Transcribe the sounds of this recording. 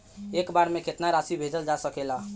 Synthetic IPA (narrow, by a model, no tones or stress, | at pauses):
ekbaɾmekʰet̪naɾasibʱed͡ʒəld͡ʒasəkela